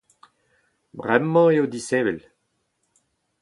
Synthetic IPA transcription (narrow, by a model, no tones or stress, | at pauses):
bʁɛmːɑ̃eod̪isɛːvɛ̰l